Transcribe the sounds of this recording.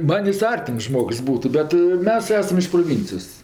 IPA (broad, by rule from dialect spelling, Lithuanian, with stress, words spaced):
ˈmɐnʲ ˈjɪs ˈɐrʲtʲɪms ˈʒmoːks ˈbuːtʊ ˈbʲɛt ˈmʲɛs ˈæːsɐm ɪʃ proːˈʋʲɪnʲt͡sʲɪjoːs